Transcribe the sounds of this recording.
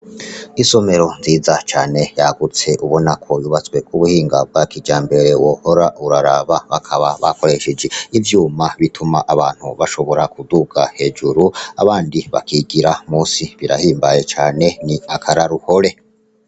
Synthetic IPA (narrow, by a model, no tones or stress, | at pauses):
iso̞me̞ɾo̞nziːzat͡ʃaːne̞jaɡut͡se̞ʔuβo̞nakʰo̞juβat͡swe̞kuβuhiːŋɡab̚ɡwakid͡ʒaːmbe̞ɾe̞woho̞ɾauɾaɾaβaβakʰaβaβa̰ko̞ɾe̞ʃed͡ʒe̞ivjuːmaβitʰumaʔaβaːn̥huβaʃo̞βo̞ɾakuduɡahe̞ːd͡ʒuɾua̰βaːndiβa̰kʰiɡiɾamuːsiβiɾa̰hiːmbaje̞t͡ʃaːne̞niakʰaɾaɾuho̞ɾe̞